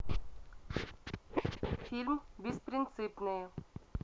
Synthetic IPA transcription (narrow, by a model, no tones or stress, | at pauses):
fʰilmʋispɾinsipne